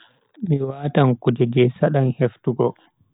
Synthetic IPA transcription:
miwaːtaŋkud͡ʒɛd͡ʒɛsaɗanheftuɡɔ

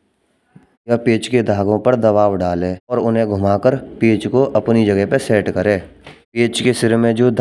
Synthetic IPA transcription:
jɐpeːt͡ʃked̪ʱaːɡõpəɾd̪ɐʋaːwɖaːlẽːɔːɾʊnɦẽɡʱʊmaːkəɾpeːt͡ʃkoʔɐpnid͡ʒəɡəɦpeseːʈkəɾẽːpeːt͡ʃkesɪɾmẽd͡ʒoːd̪ʱ

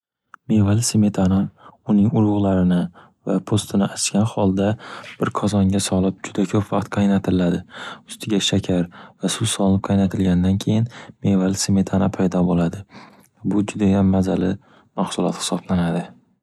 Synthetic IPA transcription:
mevalseme̞t̪ʰanaʊnɪŋʊɾˠʊʁlˠaɾɪnɪ | vapʰost̪ʰɪnɪʔat͡ʃkʲanχɒlˠd̪ab̥ɪɾkʰɒzɒŋʲasɒlɪp̚d͡ʒʊd̪akʲʰɵpvɑqt̪qʰɑjnat̪ʰɪɪlad̪ɪʊst̪ʰɪɡʲaʃakʲʰaɾvasʊsɒlɪnɪp̚qʰɑjnat̪ʰɪlɡʲand̪ankʲʰe̞jɪnme̞valseme̞t̪ʰanapʰajd̪ɒbolad̪ɪ | abʊd͡ʒʊd̪ajamːazalɪ | maχsʊlˠɒ̰t̪hɪ̥sɒblanad̪ɪ

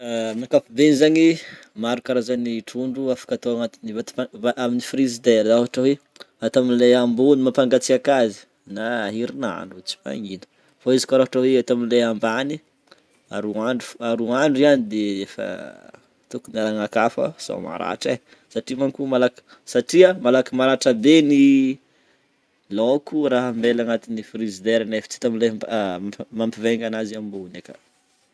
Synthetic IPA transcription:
amakafubenizaɲimaɾukaɾazaniʈ͡ʂuɳɖ͡ʐuafḁkat̪oaŋat̪inivat̪aaʔaminifɾizid̪eɾaɦaʈ͡ʂawe | at̪aminlajambunimapaŋɡat͡siakazi̥ | naːɦiɾina̰ɳut͡si̥pa̰ŋinə̥ | faizi̥kaɾaɦaʈ͡ʂaweat̪aminlaambani | a̰ɾuaɳɖ͡ʐu̥aɾuaɳɖ͡ʐianid̪eefə̰ | t̪ukunalaŋakafə̰z̥o̰ma̰ɾa̰ʈ͡ʂe | saʈ͡ʂimankumalak | saʈ͡ʂiamalakimaɾaʈ͡ʂabeni | lokuɾaɦəmbelaŋat̪inifɾizid̪eɾaneft͡si̥t̪aminle | mampiveŋɡanaziamibunaka̰

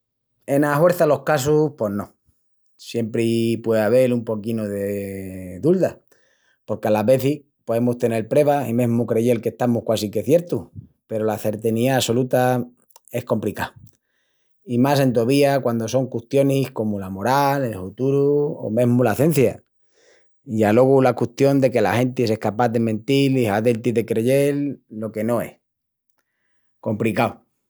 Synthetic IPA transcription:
e̞nahwe̞ɾθalo̞hkas̬uhpo̞hnõ̞ | sje̞mpɾipwe̞aβ̞e̞lumpo̞kinoðeðuld̪a | po̞ɾkealaβe̞θi | po̞ðe̞must̪e̞nelpɾe̞βaimẽ̞ɦmukɾe̞ʝe̞lke̞ht̪amuhkwasike̞θje̞ɾt̪uh | pe̞ɾolaθe̞ɾt̪eniaːso̞lut̪a | e̞hko̞mplikaw | imas̬e̞nt̪̬oβiakwand̪o̞so̞ŋkuht̪jo̞nihko̞mulamo̞ɾalelfut̪uɾuo̰mẽ̞ɦmulaθe̞n̟θja | iʝalo̞ɣ̞ulakwust̪jo̞nd̪e̞ke̞la̰he̞nt̪is̬e̞hkapaðemẽ̞nt̪iliɦaðelt̪iðe̞kɾeʝe̞lːo̞ke̞no̞e̞h | ko̞mplikaw

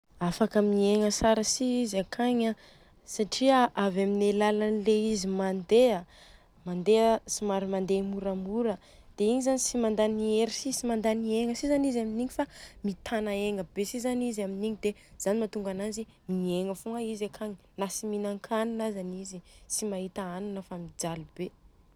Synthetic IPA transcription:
afakəmieŋəsaɾəsiizakʰaɲa | saʈ͡ʂiaʔavaminelalanileizimand̪ea | mand̪eəsimaɾimand̪emuɾamuɾə | d̪̥eiɲizanisimand̪anieɾisisimand̪anieŋəsizanizaminiɲifamit̪ʰanaeŋəbesizanizaminiɲid̪ez̥animat̪uŋɡanazi | mieŋəfuŋaizakʰaŋinasiminaŋkʰaninazanizisimaɦit̪aanunəfamid͡zalube

